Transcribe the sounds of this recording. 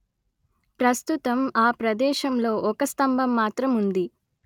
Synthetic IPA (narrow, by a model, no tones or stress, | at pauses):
pɾɐst̪ut̪ɐmaːpɾɐd̪ɛːʃɐmlo̞ːʔɔkɐst̪ɐmbʱɐmːaːt̪ɾɐmund̪i